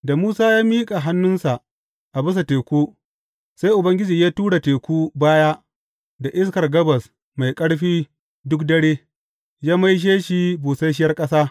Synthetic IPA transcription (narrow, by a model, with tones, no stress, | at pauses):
da˨muː˦saː˦jaː˦miː˦kʼa˨ɦa˦nːʊ˦nsa˨ʔ | ʔa˨bɪ˦s̬a˨teː˨kʷuː˦ | sa˦jʔʊ˨bɐ˦ŋɡʲɪ˦d͡ʒiː˨jaː˦tuː˦ɽa˨teː˨kʷuː˦baː˦jaː˦ | da˨ʔɪ˦skɐ˨rɡɐ˦bɐ˨s | ma˨jkʼɐ˦ɽɸiː˦ | dʊ˦k̚dɐ˦ɽeː˦ | jaː˦ma˦jʃ̬eː˦ʃi˦buː˨sa˦ʃ̬ɪ˦jɐ˦rkʼɐ˦saː˦